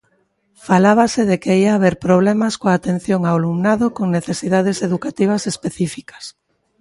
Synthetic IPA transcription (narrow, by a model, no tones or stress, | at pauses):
falaβasɪðekeiaːβeɾpɾoβlɛmaskoaːt̪ẽn̟θjoŋawalumnaðokoŋneθesiðað̞eseðukat̪iβɐsespeθifikɐ̥s